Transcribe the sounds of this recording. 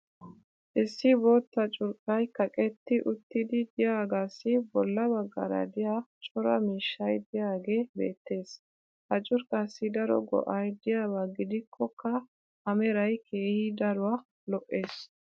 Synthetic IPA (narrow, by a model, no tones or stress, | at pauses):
ʔɪsːɪbo̞ːt̪ːɐt͡ʃʼʊɾkʼɐjkɐkʼɛt̪ːɪʔʊt̪ːɪd̪ɪd̪ɪjaːɡaːsːɪbɔlːɐbɐɡːa̰ːɾɐ̰d̪ɪjat͡ʃʼɔɾɐ̰miːʃːɐjd̪ɪjaːɡe̞ːbe̞̰ːt̪ːe̞ːs | hɐt͡ʃʼʊɾkʼasːɪd̪ɐɾɔ̰ɡɔ̰ʔɐjd̪ɪjaːbɐɡɪd̪ɪkʰːɔkːɐ | ɐmɛɾɐjkʰe̞ːhɪd̪ɐɾʊwa | lɔʔːe̞ːs